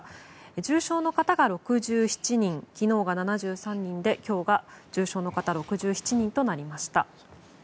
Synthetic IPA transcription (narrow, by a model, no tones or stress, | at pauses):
eʑɨːɕo̞ːno̞kat̪aɡaɾo̞kɯ̟ʑɨːçi̥t͡ɕiɲ̟ĩŋkʲino̞ːɡananaʑɨːsãɲ̟ːĩnd̪e̞kʲo̞ːɡad͡ʑɨːɕo̞ːno̞kat̪aɾo̞kɯ̟ʑɨːçi̥t͡ɕiɲ̟ĩnt̪o̞naɾʲimaɕi̥t̪a̰